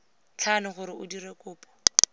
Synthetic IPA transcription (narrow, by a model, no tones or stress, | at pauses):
t͡ɬʰanʊχʊɾɪʊdirekʼʊːpʼɔ̥